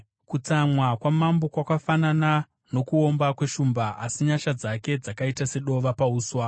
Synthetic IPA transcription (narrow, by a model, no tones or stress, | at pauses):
kut͡samwakwamambo̞kwakafanana | no̞kuo̞mbakwe̞ʃumbaasiɲaʃad͡zake̞d͡zakaitase̞ɗo̞ʋapauːswa